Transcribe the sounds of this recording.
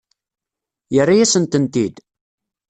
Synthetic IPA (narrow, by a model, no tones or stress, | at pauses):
jərːajæsənt̪ənt̪id̪